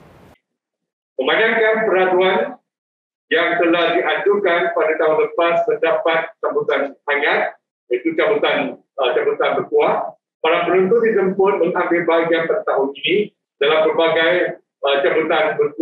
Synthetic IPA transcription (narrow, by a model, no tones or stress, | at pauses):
mə̃mbanãŋkanpəɾaduan | jaŋt̪əlahdiʔad͡ʒukanpadat̪aɦʊnləpast̪ərdapat̪̚t͡ʃabut̪anhajat̪̚ | jait̪ut͡ʃabut̪an | ət͡ʃabət̪anpərtuaʔ | paɾaŋpənunt̪udizəmpʊt̪̚mə̃ŋãmbɪlbaɡiaŋpədt̪aɦʊninĩ | d̥alampərbaɡaj | ət͡ʃabut̪anbərt̪